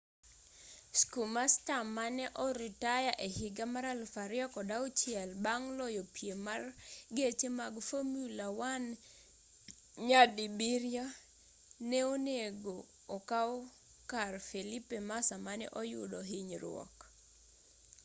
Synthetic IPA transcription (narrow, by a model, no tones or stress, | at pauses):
skumastamanɛʔɔɾitajaʔehɪɡamaɾalfaɾjɔkɔdaʊt͡ʃjɛlbaŋlɔjopjemarɡet͡ʃemaɡfomjulawan | ɲadibiɾja | nɛoneɡoː | ka | karfelipemasamanɛ̰ʔɔjʊ̰dɔɦɪɲɾw̰ɔ̰k